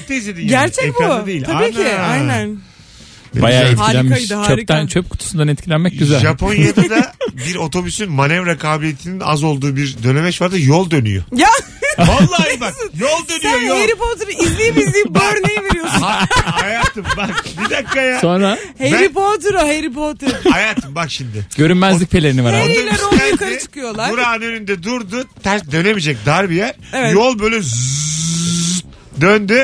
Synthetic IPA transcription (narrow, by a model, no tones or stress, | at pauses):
t̪ʰezed̪iɟæɾt͡ʃʰɛebauatd̪ejilʲʰaaiːc̪ʰiajnæn | ḛbajaːɛt̪hilʲænkajid̪aat͡ʃːɾit̪ːænt͡ʃʰøp̚kʰu̥t̪ʰu̥sund̪anɛt̪̚cʰilʲænmɛc̚ɟyzælʲʒapʰo̞njjad̪ad̪biɾo̞t̪ʰo̞bysynmanɛvɾakʰaːbilijet̪ʰinina̰zo̞lˠd̪uːbiɾd̪ø̞ne̞mɛt͡ʃvaɾd̪ajolˠd̪ø̞ny̰jo̰ja | valˠːaibak̪jolˠd̪ønyjojoeɾipot̪ɾoizlʲijmizlʲiːmbøɾnejive̞ɾijosuhajaːt̪ʰɯmbakbid̪akːajasonɾa | heɛɾip̬ot̪ɾoɦeɾip̬ot̪ɾhajaːt̪ʰɯmbakʃimd̪ɪɟ̥øɾymmɛzlʲic̚pʰelʲe̞ɾinivaɾoɾialʲɛɾokaɛt͡ʃʰɯ̥kʰɯjo̞lˠabɾuɾanønynd̪ɛd̪uɾd̪ʊt̪ʰɛsd̪ø̞ne̞mid͡ʒɛc̚d̪aɾbijæɾ̥ | evɛjolˠbøjlʲɛz | d̪ønd̪y